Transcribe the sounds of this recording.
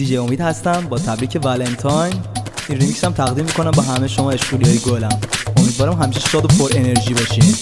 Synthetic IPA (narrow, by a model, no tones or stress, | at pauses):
iːd͡ʒeo̞miːd̪hæst̪æmbɒːt̪ʰæbɾiːcʰe̞vælent̪ʰɒjnʔinrimiksæmt̪ʰæɣd̪iːmːikʰo̞næmbɒɦæmejʃomɒːe̞ʃkuliɒːjeɡolæmomid̪vɒːɾæmɦæmiːʃeʃɒːd̪opʰoɾe̞ne̞ɾʒiːbɒːʃim